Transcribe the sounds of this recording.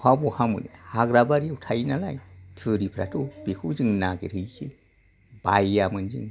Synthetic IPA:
habuhamɯ̰nḛhaɡɾabaɾiutʰajnala̰jtʰɯɾipʰɾa̰tʰubikʰud͡ʒiŋnaɡeɾɯjkʰi | bajːamɯnd͡ʒḭŋ

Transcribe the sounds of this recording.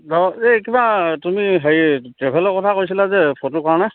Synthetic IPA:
dɔekibatumiɦeitɹebʱɛlɔkɔtʰakojsilazɛpʰotokaɹɔna

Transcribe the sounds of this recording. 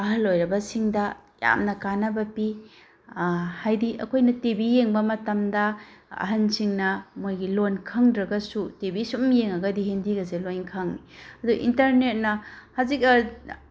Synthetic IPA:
ɐɦɐlojɾɐbɐsiŋdɐja̰mnɐkanɐbɐpi | hajdiʔɐ̰kʰojnɐtebijeŋbɐmɐtɐmdɐɐ̰ɦɐnsiŋnɐmojɡilonkʰɐŋdɾɐɡɐsutebisumjeŋɐɡɐdiɦendiɡɐzelojnkʰɐŋniɐduʔḭntɐɾnet̚nɐhazikɐ

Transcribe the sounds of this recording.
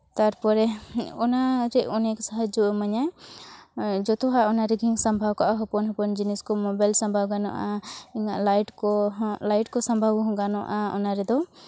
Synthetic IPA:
t̪aɾpɔɾɛɔnaɾɛɔnɛksaɦad͡ʒumaɲa | d͡ʒɔt̪ɔɦaʔɔnaɾɛɡʱiŋsambʱawkaʔaɦɔpɔnɦɔpɔnd͡ʒinɛskɔmɔbajlsɔmbʱawɡanɔ̰ʔaiŋaʔlajʈkɔlajʈkɔsãmbʱawɦɔ̃ɡanɔʔaɔ̰naɾɛd̪ɔ

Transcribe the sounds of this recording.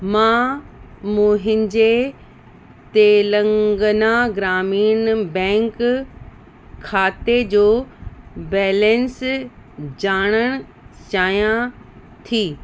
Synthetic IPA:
mãː | mũːɦɪ̃ɲd͡ʑe | t̪eːlə̃ŋɡənaɡɾaːmiːnbɛ̃ːŋk | kʰːaːt̪ed͡ʑoː | bɛːlɛ̃ns | d͡ʑaːɽ̃əɽ̃ | t͡ɕaːjã | t̪ʰiː

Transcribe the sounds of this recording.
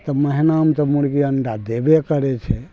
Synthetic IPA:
t̪ɔməɦinamt̪ɔmuɽkiəɳɖad̪ebekəɾet͡ʃʰe

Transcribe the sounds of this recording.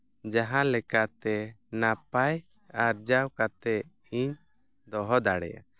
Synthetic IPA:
d͡ʒaɦãlɛkat̪ɛnapaj | aɾd͡ʒawkat̪ɛ | iɲ | d̪ɔɦɔd̪aɽɛ̰ja̰

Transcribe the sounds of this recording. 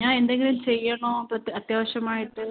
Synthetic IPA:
ɲaːne̞nd̪eŋɡilɭilt͡ɕejːɐɳoːpɐt̪ːɐt̪jaːʋɐɕɐmaːjitːɨ

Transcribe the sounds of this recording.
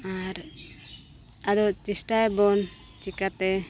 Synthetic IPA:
aɾ | ad̪ɔt͡ʃisʈajbɔn | t͡ʃikat̪ɛ

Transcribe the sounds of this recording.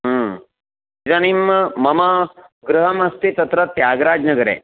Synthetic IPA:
ɦ | iɾaːnimːɐmɐmɐɡɾuɦɐmɐst̪it̪ɐt̪ɾɐt̪jaːɡɾaːd͡ʒnɐɡɐɾḛː

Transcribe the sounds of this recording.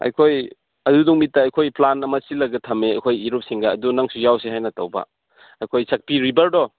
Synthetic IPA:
ɐ̰jkʰoj | ɐduduŋmitːaːjkʰojplanɐmɐsilɐɡɐtʰɐmeɐ̰jkʰojiɾup̚siŋɡɐːdunaŋsujawseɦajnɐtɐwbɐ̰ | ɐjkʰojsɐk̚piɾibɐɾdɔ

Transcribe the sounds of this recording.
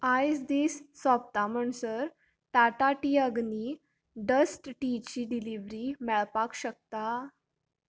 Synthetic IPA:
ajsd̪isːɔp̚t̪am̤əɳsəɾ | ʈaʈaʈiːəɡni | ɖəsʈʈit͡ɕiːɖiliʋɾimɛɭpakɕək̚t̪a

